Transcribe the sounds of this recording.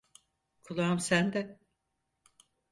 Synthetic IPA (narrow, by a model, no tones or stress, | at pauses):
kʰulˠaɯmsænd̪ɛ